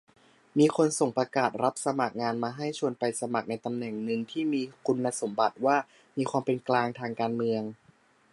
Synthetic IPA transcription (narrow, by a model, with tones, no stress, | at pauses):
miː˧kʰo˧nso˨˩ŋpɾa˧kaː˨˩t̪̚ɾa˦˥p̚sa˧ma˨˩k̚ŋaː˧nmaː˧ɦa˥˩jt͡ɕʰu˧ənpa˧jsa˧ma˨˩k̚na˧jt̪a˧mnɛ˨˩ŋnɯ˧ŋt̪ʰiː˥˩miː˧kʰu˧nːa˧so˩˦mba˨˩t̪̚waː˥˩ | miː˧xʰwaː˧mpe˧nklaː˧ŋt̪ʰaː˧ŋkaː˧nmɯ˧əŋ